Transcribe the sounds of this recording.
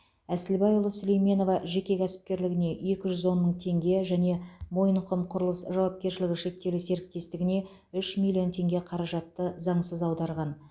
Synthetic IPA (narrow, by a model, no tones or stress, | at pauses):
æsɪlbɑjʊlˠosʏlejme̞no̞vɑʒe̞kʲe̞kʲʰæsɪ̥p̚kʲe̞ɾlɪɡʲɪne̞e̞kʲɪʒʏzwo̞nməɴt̪ʰe̞ŋɡʲe̞ʒæne̞mo̞jəɴqʰəmqʰʊɾəlˠəsʒɑwɑp̚kʲe̞ɾʃɪlɪɡʲɪʃe̞k̚t̪ːe̞lɪse̞ɾɪk̚t̪e̞st̪ɪɡʲɪne̞ | ʏʃmilʲːijo̞nt̪ʰe̞ŋɡʲe̞qʰɑɾɑʒɑt̪ːəzɑɴsəzɑwd̪ɑɾʁɑn